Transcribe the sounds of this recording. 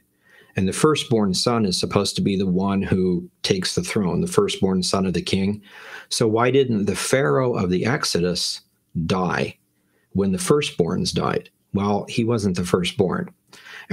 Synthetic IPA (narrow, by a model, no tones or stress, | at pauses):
ɨ̃nðɨfɜ˞sb̥ɔɹnsʌ̃nɨz̥səpʰoʊz̥tʰəbiðəwʌ̃nhutʰeɪksðɨθɹõʊ̃nðəfɜ˞sb̥ɔɹnsʌ̃nʌvðɨkʰɪ̃ŋsoʊwaɪdɪdⁿn̩t̪ðɨfɛɹoʊʔʌvðiʔɛksɨɾɨs | d̥aɪ | wə̃nðɨfɜ˞sb̥ɔ̰ɹnzda̰ɪd̥̚ | waɪlˠhiwʌzɨ̃n̩ðɨfɜ˞sb̥ɔ̰ɹn